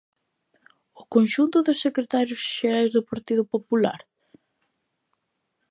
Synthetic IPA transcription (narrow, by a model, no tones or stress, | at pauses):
ʊkonʃunt̪ʊðɪsːekɾet̪aɾjʊsʃeɾajzðʊpaɾt̪iðʊpopula̰ɾ